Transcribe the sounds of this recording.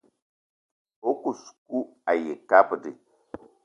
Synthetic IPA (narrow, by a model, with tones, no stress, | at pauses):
o˦ku˨su̥˨ku˦a˨je˨ka˦pə˨di˨